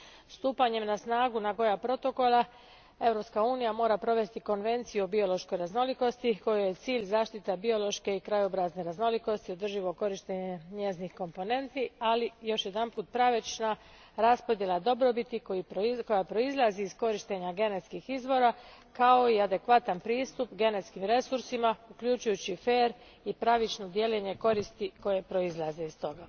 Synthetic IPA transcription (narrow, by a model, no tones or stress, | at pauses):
st̪uːpaɲe̞mnasnaːɡunaɡo̞japɾo̞t̪o̞ko̞lˠa | e̞vɾo̞pskauːnijamo̞ːɾapɾo̞ʋe̞st̪iko̞nʋe̞nt̪sijuobio̞lo̞ʃko̞jɾazno̞liko̞st̪iko̞joje̞t̪siːʎzaːʃt̪it̪ebio̞lo̞ʃke̞ikɾajobɾazne̞ɾazno̞liko̞st̪io̞d̪r̩ʒiʋo̞ko̞ɾiʃt̪eɲeɲeznixko̞mpo̞ne̞nt̪ialijo̞ʃje̞d̪anpuːt̪̚pɾaʋet͡ʃna | ɾaspo̞d̪jelˠad̪o̞bɾo̞bit̪ikojiko̞japɾo̞izlˠaziːzko̞ɾiʃt̪e̞ɲaɡe̞ne̞t̪skixizʋo̞ɾakao̞iad̪e̞kʋat̪anpɾiːst̪upɡe̞ne̞t̪skimɾe̞suɾsimaukʎut͡ʃujut͡ɕife̞ːɾ | ipɾaʋit͡ʃno̞d̪je̞le̞ɲe̞ko̞ɾist̪iko̞je̞pɾo̞izlˠazeist̪o̞ɡa